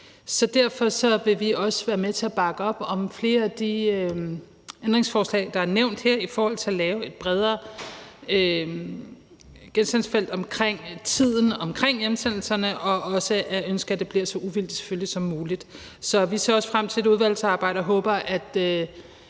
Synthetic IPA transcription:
sɒ̽d̥æɐ̰fɒ̽sɒ̽ʋe̝ʋiɒ̽sə̥ʋæːɐmet͡sʰe̝æb̥ɑ̈ɡ̥əɒ̽b̥ɒ̽mfle̝ːɐæd̥iø | end̥ʁeŋsfɒːslɛ̰ɪd̥ɑ̈æɐneʊ̰nd̥hæɐ̰ifɒːhɒ̽l̰t͡sʰe̝ælɛːʊe̝d̥̚b̥ʁɛð̞ˠɐ | ø | ɡ̥ensd̥ænsfel̰d̥ɒ̽mkʰʁeŋ̰t͡sʰið̰ˠn̩ɒ̽mkʰʁeŋ̰jemsen̰l̩sɐnəʔɒ̽ʔɒ̽səʔæønsɡ̥əæd̥e̝b̥liɐsɒ̽ʔuʋil̰d̥i̥se̥føljisɒ̽mːuːlid̥ | sɒ̽ʋise̝ɐɒ̽sfʁam̰t͡sʰe̝le̝duð̞ˠʋæl̰sɑ̈ːb̥ɑ̈ɪ̰ɾ̥ɒɦɔ̽ːb̥ɐʔæd̥ø

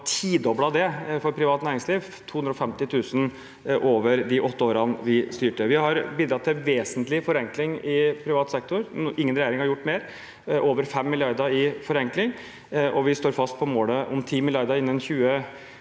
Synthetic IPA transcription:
t̪ʰiːd̪ɔblɑd̪ɛfɔɾpʰɾɪʋɑːt̪næːɾɪŋsliːʋ | t̪ʰuːhnɾɔfɛmt̪ɪt̪ʰʉːsn | ʔoːʋəɾd̪ɪʔɔt̪ːəoːɾɑnʋɪst̪yːʈəʋɪhɑɾbiːd̪ɾɑt̪ʰːɪʋeːsənt̪lɪfɔɾɛŋklɪŋɪpʰɾɪʋɑːt̪sɛk̚t̪ʊɾʔɪŋːənɾɛjeːɾɪŋhɑɾjʊʈːmeːɾ | ʔoːʋəɾfɛmːɪlɪɑɾd̪əɪfɔɾɛŋklɪŋ | ʔɔʋɪst̪oːɾfɑst̪̚pʰɔmoːləʔɔ̰mt̪ʰiːmɪljɑɾd̪əɾɪnːənçʉːə

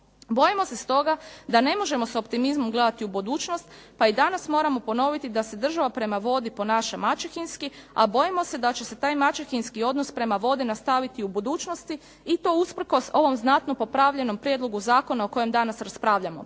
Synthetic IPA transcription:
bo̞jimo̞se̞st̪o̞ɡad̪ane̞mo̞ʒe̞mo̞so̞pt̪imizmo̞mɡle̞d̪at̪iubud̪uːt͡ʃno̞st̪paid̪anasmo̞ːɾamo̞po̞no̞ʋit̪id̪ase̞d̪r̩ʒaʋapɾe̞maʋo̞d̪ipo̞naʃamat͡ʃexinskia̰bo̞jimo̞se̞d̪at͡ɕe̞se̞t̪aːjmat͡ʃexinskio̞d̪no̞spɾe̞maʋo̞d̪inast̪aʋit̪iubud̪uːt͡ʃno̞st̪iː | t̪o̞uspr̩ko̞so̞ʋo̞mznat̪nopo̞pɾaʋʎeno̞mpɾjed̪lˠo̞ɡuzaːko̞nao̞ko̞jemd̪anasɾaspɾaːʋʎamo̞̰

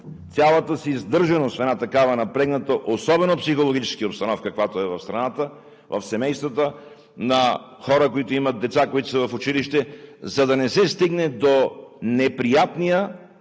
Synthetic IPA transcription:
sʲjalˠɐt̪əsizd̪ɤɾʒɐnost̪fɛd̪nat̪ɐkavɐnɐpɾɛɡnət̪oʔosɔbɛnopsixolˠoɡit͡ʃɛ̥skiopst̪ɐnɔfkəkvat̪oɛvɐfst̪ɾɐnat̪ə | vɐ̰fsɛmɛjst̪vət̪ə | nɐ | xɔɾəkoit̪oimɐt̪̚d̪ɛt̪sakoit̪o̥sɐvɐfʊt͡ʃiliʃt̪ɛzɐd̪ɐnɛsɛst̪iɡnɛd̪onɛpɾijat̪nijə

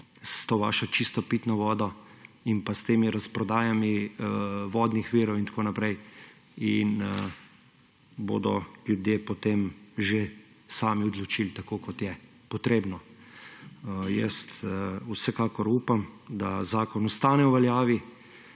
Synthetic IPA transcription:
st̪oʋa̰ːʃɔt͡ʃist̪ɔpit̪nɔʋɔːd̪ɔinpast̪eːmiɾaspɾɔd̪aːjami | ʋɔːd̪nixʋiːɾɔwint̪koːnapɾɛj | in | bo̰ːd̪ɔljud̪jepɔt̪emʒe | saːmiɔd̪lɔt͡ʃilt̪akokɔt̪jɛ | pɔt̪ɾeːbnɔ | jəst̪wsɛkaːkɔɾuːpamd̪azaːkɔnɔst̪aːnɛwʋɛljaːʋi

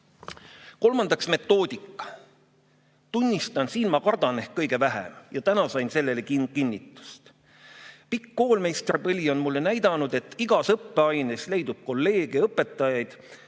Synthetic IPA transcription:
ko̞lmɑnd̪ɑksme̞t̪ːˑo̞ːd̪̥ʲikːˑɑ̥ | t̪unʲːist̪ɑnsiːnmɑkɑrd̪̥ɑne̞hkːɤjɡ̥e̞væɦḛmjɑt̪ænɑsɑjnse̞lːe̞lekikinʲːit̪ːˑu̥st̪ | pikːo̞ːlme̞jst̪rpɤlʲio̞nmulːe̞næjd̪̥ɑnud̪̥e̞t̪ːˑiɡ̥ɑsɤpːe̞ɑjnesle̞jd̪ub̥̚ko̞lːe̞ːɡ̥eɤpːe̞t̪ːˑɑjɑjd̪̥

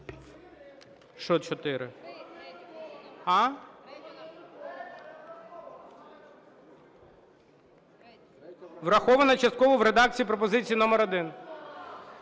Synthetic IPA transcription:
ʃɔt͡ʃɔt̪ɪɾɪ̰ | ɑ | ʋrɐxɔʋɐnɐt͡ʃɐst̪̚kɔʋɔʋɾed̪ɑk̚t͡sʲijːip̬ɾɔp̬ɔzɪt͡sʲijinɔmɛɾɔd̪ɪn

